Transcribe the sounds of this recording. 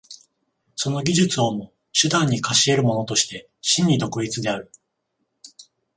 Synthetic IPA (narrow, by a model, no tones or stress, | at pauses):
so̞no̞ɡʲiʑɨt͡sɨo̞mo̞ | ɕɨd̪ãɲ̟ːikaɕie̞ɾɯ̟mo̞no̞t̪o̞ɕi̥t̪e̞ | ɕĩɲ̟ːid̪o̞kɯ̟it͡sɨd̪e̞aɾɯ̟